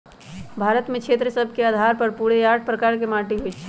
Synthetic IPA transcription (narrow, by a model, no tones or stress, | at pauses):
bʱaːɾət̪mẽkʰeːt̪ɾəsəbʱkeaːd̪ʱaːɾpəɾpuːɽejaːʈ̚pɾəkaːɾkemaːʈiɦoit͡ʃʰ